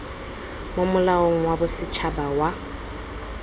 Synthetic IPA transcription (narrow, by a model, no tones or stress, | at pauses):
momʊlaoŋ̩wabʊsɪt͡ʃʰabawa